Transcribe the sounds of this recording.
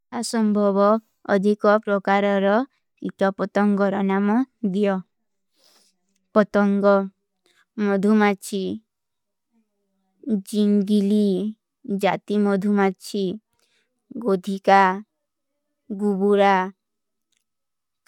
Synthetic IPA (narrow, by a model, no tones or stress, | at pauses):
asɔmbʱɔβɔː | d̪ʱikɔpɾɔkaɾɔɾɔ | it̪ɔpɔt̪ɔŋɡɔɾɔnamɔd̪ijɔ | pɔt̪ɔŋɡɔ | mɔd̪ʱumat͡ʃʰi | d͡ʒiŋɡili | d͡ʒat̪imɔd̪ʱumat͡ʃʰi | ɡod̪ʱika | ɡubuɾa